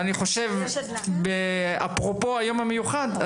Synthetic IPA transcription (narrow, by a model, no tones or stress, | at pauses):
aniχo̞ʃe̞v | bea̰pʁopo̞ajo̞mamejuχad̪a